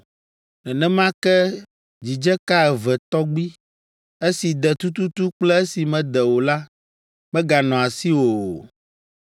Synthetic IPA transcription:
nɛ̃˨nɛ̃˦mã˦kɛ˦ | d͡ʑi˨d͡ʒɛ˦ka˦ɛ˨vɛ˨t̪ɔ˦ɡ͡bi˦ | e˦si˨d̪ɛ˨t̪u˦t̪u˦t̪u˦k͡plɛ˦e˦si˨mɛ̃˦˨d̪ɛ˨wo˨la˦ | mɛ̃˦ɡa˨nɔ̃˨a˨si˦wo˨

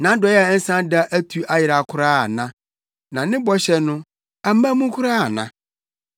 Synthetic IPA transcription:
nã˨˦dɔ˨˦jɛ˦a˨˦n̩˦sã˦da˦ʔæ˦tʰu˨˦a˦jɪ˨ɾa˨kʰʊ˦ɾaː˦˨nã˦ | nã˨nɪ̃˦bɔ˦ɕɛ˨nʊ̃˦ | a˨m̩˦ã˦mũ˦kʰʊ˦ɾaː˦˨nã̰˨

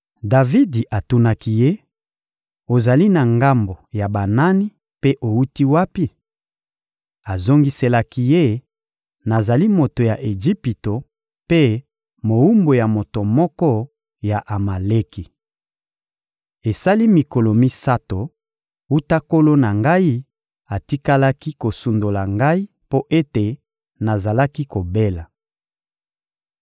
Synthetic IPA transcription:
da˨vi˦di˨ʔa˨tu˨˦na˨ki˨je˦ | o˨za˨li˦na˨ŋɡa˦mbo˨ja˨ba˨na˦ni˦ | pe˦ʔo˨u˦ti˦wa˦pi˦ | a˨zo˦ŋɡi˦se˨la˨ki˦je˦ | na˨za˨li˦mo˨to˨ja˨ʔe˨ʒi˦pi˨to˨ | pe˦ | mo˨u˦mbo˨ja˨mo˨to˨mɔ˦kɔ˦ | ja˨ʔa˨ma˨le˦ki˨ | e˨sa˦li˦mi˨ko˨lo˨mi˦sa˦to˨ | u˦ta˦ko˦lo˦na˨ŋɡa˦i˦ | a˨ti˦ka˦la˦ki˦ko˨su˨ndo˨la˨ŋɡa˦i˦ | po˦ʔe˦te˨ | na˨za˨la˦ki˦ko˨be˦la˨

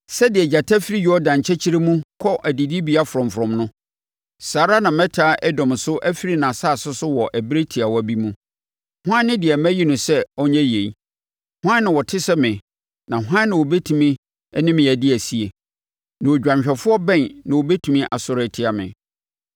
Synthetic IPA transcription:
sɛ˦dɪ˨ɛ˨d͡ʑa˨tʰa˦fi˦ɾi˦jɔ˦dã˨ɲ˨t͡ɕʰɛ˦t͡ɕʰi˦ɾe˦mũ˦kʰɔ˦ʔæ˨di˨di˦bi˨a˦fʊ˨ɾɔ̃˨m˨fʊ˨ɾɔ̃˨mnʊ̃˦ | saː˨ɾa˦nã˨mɛ̃˦tʰaː˦ʔɛ˦dɔ̃˨m˨sʊ˦ʔæ˦fi˦ɾi˦nã˨saː˦˨sʊ˦sʊ˦wɔ˨ʔæ˨bɾe˦tʰi˨a˨wɔ˦æ˨bi˦mũ˦ | hʊ˦ã˦nː˦ɪ̃˦dɪ˨ɛ˨mæ̃˦ji˦nʊ̃˨sɛ˦ɔ˦ɲɛ̃˦je˨i˦ | hʊ˦ã˦nːɪ̃˨wɔ˨tʰɪ˦sɛ˦mɪ̃˨ | nã˨ɦʷãː˦ɪ̃˨wo˨be˦tʰũ˨mĩ˦ | ɛ˦nɪ̃˦mɪ̃˨æ˨dɪ˦æ˨si˦e˨ | nã˨o˨d͡ʑᶣã˨mɕᶣɛ˨fʊ˦ɔ˦bɛ̃˦˨nnã˨wo˨be˦tʰũ˨mĩ˦ʔa˨sʊ˨ɾɛ˨tʰɪ˦a˨mɪ̰̃˨

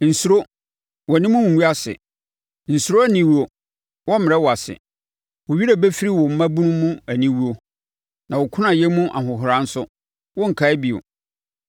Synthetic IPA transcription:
n̩˨su˨ɾo˦ | wɔ˨nɪ̃˦mʊ̃˦wũ˨u˦a˦sɪ̰˨ | n̩˨su˨ɾo˦æ˦nĩ˦wu˦o˨ | wɔ˦mɪ̃˨ɾɛ˦wɔ˨a˨sɪ̰˨ | wo˨ɥi˦ɾe˨bɛ˦fi˦ɾi˦wɔ˨m̩˦mã˦bu˦nũː˦ũ˦æ˨nĩ˦wu˦o˨ | nã˨wɔ˨kʷʰʊ̃˦nã˨jɛ˦mũ˦ʔa˨ɦʊ̃˨ɦʊ˨ɾã˨˦n̩˦sʊ˦ | wɔ˦ŋ̩˨kʰa˨˦ɛ˦bi˨o̰˨

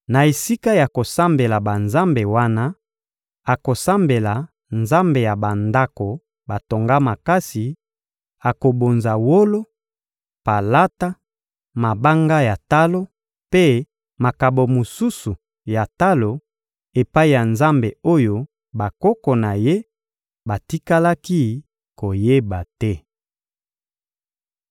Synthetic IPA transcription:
na˨e˨si˦ka˦ja˨ko˨sa˦mbe˨la˨ba˨nza˦mbe˨wa˦na˦ | a˨ko˨sa˦mbe˨la˨ | nza˦mbe˨ja˨ba˨nda˦ko˨ | ba˨to˨ŋɡa˦ma˨ka˦si˨ | a˨ko˨bo˨nza˨wo˦lo˦ | pa˨la˦ta˦ | ma˨ba˦ŋɡa˦ja˨ta˦lo˦ | pe˦ | ma˨ka˨bo˨mo˨su˦su˨ | ja˨ta˦lo˨ | e˨pa˦i˨ja˨nza˦mbe˨o˦jo˦ | ba˨kɔ˦kɔ˨na˨je˦ | ba˨ti˦ka˦la˦ki˦ | ko˨je˦ba˨tɛ˦

